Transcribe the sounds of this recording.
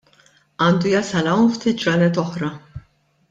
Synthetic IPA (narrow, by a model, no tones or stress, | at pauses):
ɐːnd̪ujɐsɐlɐwnft̪ɪd͡ʒɾɐlɛt̪ɔħɾɐ